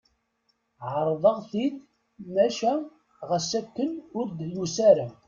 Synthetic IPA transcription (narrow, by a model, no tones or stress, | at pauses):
ʕəɾˤðˤəʁθid̪ | mæʃæ | ʁəsækːənʊɾd̪jusæɾæ